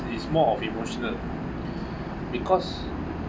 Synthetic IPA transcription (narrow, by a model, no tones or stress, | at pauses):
ismɔɔfimoʃɔnəl | bikʰɔs